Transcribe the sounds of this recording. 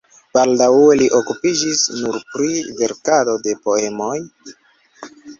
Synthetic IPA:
b̥aldawe̞liʔo̞kupid͡ʒisnuɾpɾive̞ɾkado̞de̞po̞e̞mo̞j

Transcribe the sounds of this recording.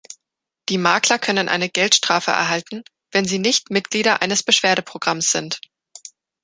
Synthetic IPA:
d̥iːmaɐklɐkʰœnənʔa̰ɪnəɡɛltʃtʁ̥aːfə̰ʔɛ̰ɐɦaltn̩ | vɛnziːnɪçtmɪt̚ɡ̥liːɾɐʔa̰ɪnəsb̥əʃv̥eːɐɾəpʁ̥oɡʁamsz̥ɪnt

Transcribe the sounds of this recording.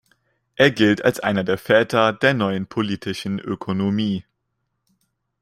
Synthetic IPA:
ʔeːɐɡɪlta̰lsʔa̰ɪnɐdeːɐfɛːtʰɐdeːɐnɔʏənpʰoliːtʰɪʃn̩ʔø̰kʰonomiː

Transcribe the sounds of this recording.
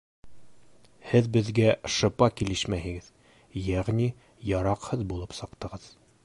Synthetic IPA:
hɘðbɘ̆ðɡæʃɤ̆pɑkilɘʃmæhɘ̆ɡɘð | jæʁni | jɑɾɑqhɤðbulˠɤpsɤ̆qt̪ɤ̆ʁɤð̥

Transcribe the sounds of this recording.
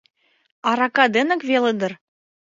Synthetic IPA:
ɑɾɑkɑd̪ɘ̆nɘ̆kvelɤ̆d̪ɤ̆r

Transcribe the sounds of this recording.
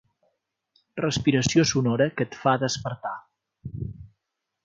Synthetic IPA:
rəspiɾəsiosunoɾəkət̪faðəspəɾt̪a

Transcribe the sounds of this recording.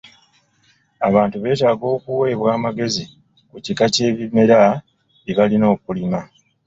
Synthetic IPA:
aβaːntuβe̞ːtaːɡo̞ːkuwe̞ːβwaːmaɡe̞zi | kucikace̞ːβime̞ɾa | eβalino̞ːkulima

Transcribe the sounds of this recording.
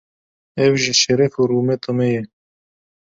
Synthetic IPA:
ɛwʒiʃɛɾɛfuɾuːmɛt̪ɑmɛjɛ

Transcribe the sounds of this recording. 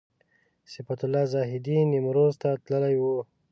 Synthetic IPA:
sɪfat̪ʊlːɑzɑɦɪd̪inimɾozt̪at̪ləlajwu

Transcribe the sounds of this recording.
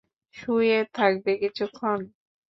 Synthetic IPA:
ʃujet̪ʰak̚bekit͡ɕʰukʰːon

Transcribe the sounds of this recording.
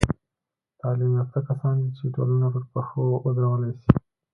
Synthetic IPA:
t̪ɑlimat̪akasɑnd̪it͡ʃeʈo̰lanapəɾpəxood̪ɾawəlajsi

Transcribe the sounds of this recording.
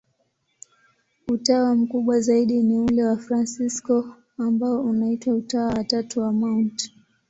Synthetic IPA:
utawam̩kuɓwazaiɗiniulɛwafɾansiskɔ | ambaɔunaitwautawawatatuwamaunt

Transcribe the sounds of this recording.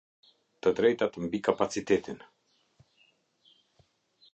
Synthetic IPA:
t̪əd̪ɾɛjt̪at̪əmbikapat̪t͡sit̪ɛt̪in

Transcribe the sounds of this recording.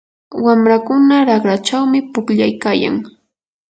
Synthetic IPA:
wamɾakʊnaɾɑχɾat͡ʃawmɪpʊkʎajkaːja̰ŋ

